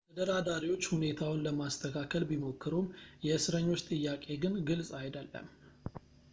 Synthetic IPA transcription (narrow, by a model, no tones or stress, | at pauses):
t̪ʰəd̪əɾad̪aɾiwo̞t͡ʃːhune̞t̪ʰawʊnləmast̪ʰəkʰakʰəlbimo̞kʰːɨɾumjɛɨsɨɾəɲːo̞t͡ʃːt̪ʼɨjːakʼe̞ɡɨnɡɨlsʼajd̪əlːə̰m